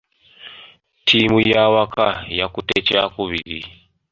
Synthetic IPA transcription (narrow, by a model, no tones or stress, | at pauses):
tʰimujawakajakutɛt͡ʃɛakuβili